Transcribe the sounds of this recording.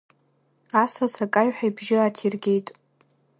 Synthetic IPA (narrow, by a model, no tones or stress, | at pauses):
asasakʼajɥħʷᶣajbʒɪatʰirɡʲe̞jtʼ